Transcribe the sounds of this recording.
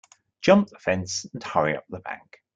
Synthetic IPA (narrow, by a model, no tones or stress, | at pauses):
d̥ʒ̥ʌ̃mp̚ðəfɛ̃nsə̃nhʌɹḭʌ̰p̚ðəbã̰ŋk